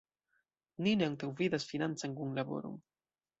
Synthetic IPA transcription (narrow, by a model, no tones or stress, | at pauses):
nineaŋt̪awvidasfinant͡saŋkuŋlabo̞̰ɾo̰n